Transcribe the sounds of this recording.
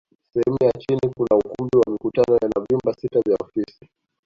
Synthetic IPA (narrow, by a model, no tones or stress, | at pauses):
sɛhɛmujat͡ʃinikunaukumbiwamikutanɔjanavjumbasitavjaɔfisi